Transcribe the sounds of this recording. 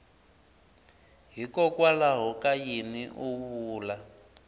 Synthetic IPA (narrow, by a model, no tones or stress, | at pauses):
ɦikʼɔkʼwalaɦɔkʼajiniʔuβuːla